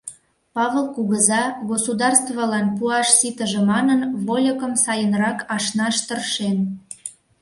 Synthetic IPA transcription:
pɑβəlˠkuɣəzɑɣosud̪ɑrst̪vɑlɑnpuɑʃsit̪əʒĕmɑnənβolʲəkəmsɑjənrɑkɑʃnɑʃt̪ərʃen

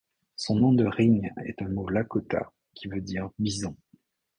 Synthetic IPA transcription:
sɔ̃nɔ̃d̪əʁiɲɛ̰t̪ɛ̃molakɔt̪a̰ | kʲivød̪iʁbizɔ̃

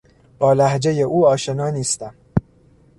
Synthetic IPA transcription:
b̥ɒːlæhd͡ʒe̞je̞ʔuːɒːʃe̞nɒːniːst̪æm

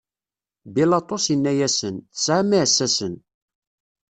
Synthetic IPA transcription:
bilɑt̪ˤosjənːæjæsənθəsʕamiʕəsːæsən

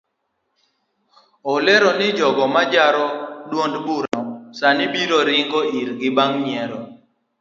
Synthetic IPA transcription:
ɔlɛɾɔnɪd͡ʒɔɡɔmad͡ʒaɾɔdwondbuɾasanɪbiɾɔɾɪŋɡɔiɾɡɪbaŋɲɛɾɔ

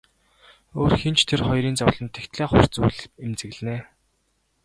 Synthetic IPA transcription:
oːrxent͡ɕt̪ʰerχɔjɾiːnt͡sawɮə̆nt̪ʰːekt̪ɮeːχʊ̰r̥t͡suːɮemt͡sɘ̆ɣɮneː

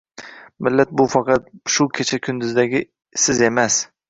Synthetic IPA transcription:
mɪlːat̪̚bʊfɑqʰɑt̪̚ʃʊkʲʰet͡ʃʰakʲʰʊnd̪ʊzd̪aɡʲɪ | sɪze̞mas

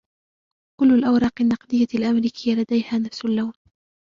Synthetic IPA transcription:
kʊlːʊlʔawɾˤɑːqɪnːɑqd̪ɪjːalʔamɾiːkʰɪjːalad̪ajhaːnafsʊlːawn

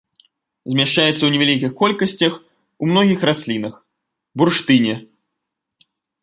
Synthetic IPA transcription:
zʲmʲaʂt͡ʂajɛt̪sɐwnʲɛvʲalʲikʲixkɔlʲkɐsʲt͡sʲɐx | umnɔɣʲixrasʲlʲinɐx | burʂt̪ɨnʲɛ

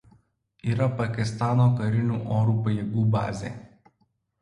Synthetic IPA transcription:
iːɾɐpɐkʲɪst̪ɑːnoːkɐɾʲɪnʲuːʔoːɾuːpɐjeːɡuːbɑ̰ːzʲḛː

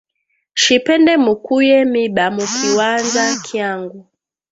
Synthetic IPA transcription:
ʃipɛndɛmukujɛmiɓamukʰiwanzakʰjaŋɡu

